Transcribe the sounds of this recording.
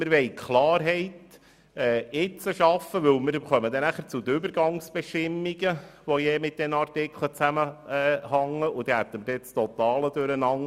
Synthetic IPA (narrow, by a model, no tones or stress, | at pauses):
mɪɾʋɛɪkʰχlɑːɾɦɛɪt | ɛːɪt͡səʃɑfəʋɵwmɪɾχœməd̪ɛnæχəɾt͡sud̪əʏbəɾɡɑŋsb̥ɛʃtɪmːiɡəʋojɛːmɪt̪̚d̥̪ɛnɑrtɪkʰlət͡sæməɛːhɑŋːəʔud̪ihæt̪ːəməɾdɛt͡st̪ɔt̪ɑːləd̥̪øɾənɑŋ